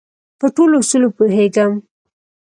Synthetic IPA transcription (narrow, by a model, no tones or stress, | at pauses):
pəʈolosulopoɦeɡəm